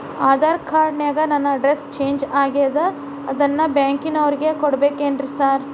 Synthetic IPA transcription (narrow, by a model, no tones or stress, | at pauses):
aːd̪aːɾkaːɾɖnaːɡɐnɐnːɐɐɖɾest͡ʃeːɲd͡ʒaːɡejd̪ɐ | ɐd̪ɐnːɐbjaːŋkinɐʋɐɾiɡe̞koɽbeːkeːɳɖɾisaːɾ